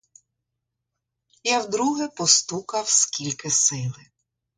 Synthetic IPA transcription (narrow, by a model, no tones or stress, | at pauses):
jawd̪ɾuɦɛpɔst̪ukɐwskʲilʲkɪsɪlˠɪ